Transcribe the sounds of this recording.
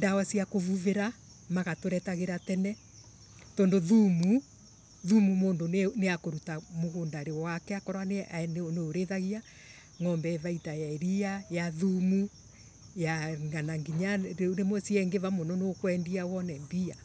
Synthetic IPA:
ndawasiakovuveɾa | maɣatoɾɛtaɣeɾatɛnɛ | tɔndoðumu | ðumumoːndonneakoɾutamoɣondaɾeɔwakɛakɔɾwaneaneoneoɾeðaɣia | ŋɔmbɛːvaitajaeɾiajaðumu | jaŋɡanaŋɡiɲaɾemɔsiɛŋɡevamɔnɔneokwɛndiawɔnɛmbia

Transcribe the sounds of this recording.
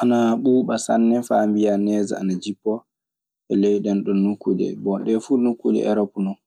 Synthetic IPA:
ʔanaɓuːɓasa̰nːɛfambijanɛːza̰a̰nad͡ʒipːɔ | ʔɛlɛjɗɛnɗɔnːukːudɛ̰bɔnɗɛfunukːudɛ̰ʔɛɾɔpnɔn

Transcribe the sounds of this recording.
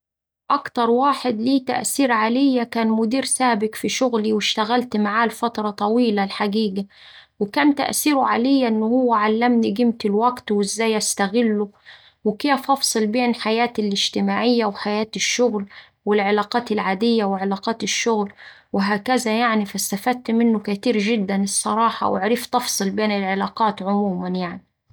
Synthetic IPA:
ʔɑkt̪ɑɾˤwaːħɪd̪liːt̪a̰ʔsiːɾʕalɪjːakæːnmʊd̪iːɾsaːbɪkfiʃʊɣliwɪʃt̪aɣælt̪maʕaːlfɑt̪ɾˤɑt̪ˤɑwiːlalħaɡiːɡa | wɪkæːmt̪a̰ʔsiːɾʊʕalɪjːaʔɪnːhʊwːæʕalːæmniɡɪmt̪ɪlwæɡt̪wɪzːæːjʔast̪aɣɪlːʊ | wɪkɪjafɑfsˤɨlbeːnħajaːt̪ɪlɪʒt̪ɪmaːʕɪjːawħajaːt̪ɪʃːʊɣl | wɪlʕɪlɑːqɑːt̪ɪlʕaːd̪ɪjːawɪʕɪlɑːqɑːt̪ɪʃːʊɣl | wɪɦaːkæzajaʕnifast̪afæd̪̚t̪mɪnːʊkat̪iːɾʒɪd̪ːanɨsˤːɑɾˤɑːħɑ̰wɪ̰ʕɾiːft̪ɑfsˤɨlbeːnɪlʕɪlɑːqɑːt̪ʕʊmuːmanjaʕni

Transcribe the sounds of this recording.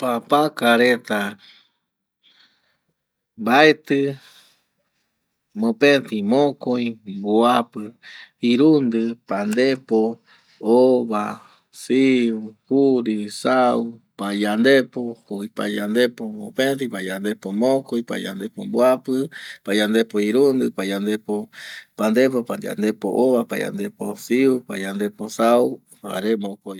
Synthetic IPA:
papãkaɾet̪a | baet̪ɨ | mõpẽnt̪imõkojboapɨiɾund̪ɨpand̪epo | oβa | siuhuɾisawpajand̪epokuipa̰jand̪epoo̰pẽtipajand̪epomõkojpa̰ja̰nd̪epomboapɨpajand̪epoiɾund̪ɨpajand̪epopand̪epopaa̰nd̪epo̰ʔoβapaja̰nd̪eposiupajand̪eposau | a̰ɾemõkoj

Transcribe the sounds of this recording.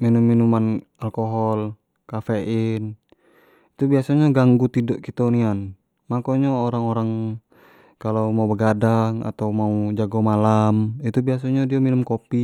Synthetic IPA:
minumːinuman | alkɔɦɔl | kafɛin | it̪ubiasaɲaɡaŋɡut̪idɔʔkit̪ɔnian | makoɲaoɾaŋɔɾaŋ | kalamaubəɡadaŋa̰t̪awmaud͡ʒaɡɔmalamit̪ubias̬aɲadiaminumkopi

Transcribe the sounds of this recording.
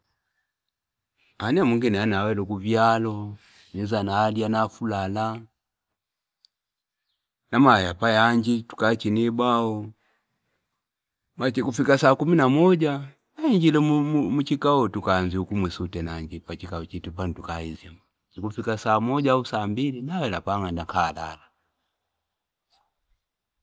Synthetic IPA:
anɛamwiŋɡinɛanawɛlukuvjalɔ | nizanaːlianafulala | namajapajaɲd͡ʒitu̥kat͡ʃinibaɔ | mat͡ʃikufikasaːkuminamɔɟa | naiɲd͡ʒilɛmut͡ʃikaɔtukaɲziukumwɛsutɛnaɲd͡ʒipat͡ʃikaɔt͡ʃitupanitukaiziam | t͡ʃikufikasaːmɔɟausaːmbilinawɛlapaŋandakʰala̰la

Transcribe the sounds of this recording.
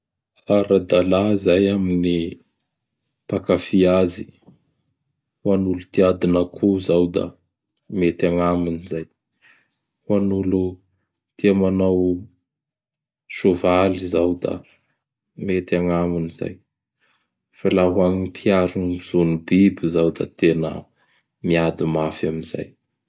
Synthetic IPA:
aɾad̪alazajamini | pakafiazi | wanulut̪iad̪inakʰuzawd̪a̰ | met̪aŋaminizaj | wanulu | t̪iamanaw | ʃovalizawd̪a̰ | met̪aŋamuniza̰j | falaɦuaŋipʰiaɾunuz̥unubibizawd̪a̰t̪enə̰ | miad̪imafaminza̰j

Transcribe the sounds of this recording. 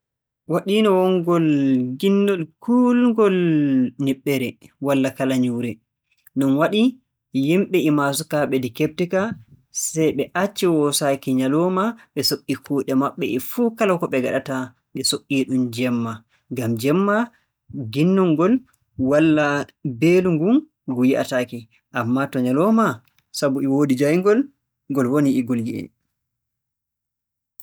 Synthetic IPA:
waɗinɔwɔŋɡɔlɡinːɔlkulŋɡɔlniɓːɛɾɛwalːakalaɲuɾɛ | nɔnwaɗi | jimɓɛʔimasukaɓɛdikep̚tika | sɛjɓɛʔat͡ʃːɛwɔsakiɲalɔmaɓɛsokʼːikuːɗɛmaɓːɛ̰ʔifuːkalakɔɓɛɡaɗata | ɓɛsoʔːiɗumd͡ʒɛmːa | ŋɡamd͡ʒɛmːa | ɡinːuŋɡɔl | walːabeluŋɡum | ɡujiʔa̰taki | ʔamːatɔɲalɔma | sabuɛwodid͡ʒajŋɡɔl | ɡɔlwoniːɡolɡiɛ̰n

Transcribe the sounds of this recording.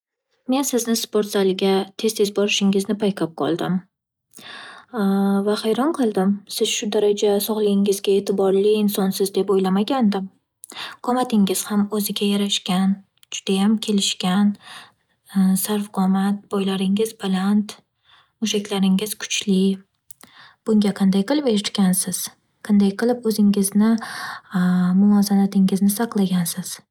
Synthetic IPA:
me̞nsɪznɪspoɾt̪zalɪɡʲat̪ʰe̞z̥t̪ʰe̞zbɒɾɪʃɪŋɪznɪpʰajqʰap̚qʰɒ̰lˠd̪ɪm | vaχajɾɒnqʰɨlˠd̪ɪmsɪz̥ʃʊd̪aɾad͡ʒasɒʁlˠɪɡʲɪŋɪzɡʲae̞t̪ʰɪbɒɾlɪɪnsɒnsɪzd̪epojlamaɡʲand̪ɪm | qʰɒmat̪ʰɪŋɪz̥hamɵzɪɡʲajaɾaʃkʲan | d͡ʒʊd̪̥ajamkʲʰe̞lɪʃkʲan | saɾfqʰɒmat̪̚bɒjlaɾɪŋɪzbalˠant̪ | mʊʃakʲlaɾɪŋɪz̥kʰʊ̥t͡ʃʰlɪ | b̥ʊŋɡʲaqʰɑnd̪ajqɨlˠɪpeɾɪt̪kʲansɪz̥ | qʰɑnd̪ajqʰɨlˠɪpɵzɪŋɪznɪ | mʊmɒzanat̪ʰɪŋɪznɪsɑqlˠaɡʲansɪz̥

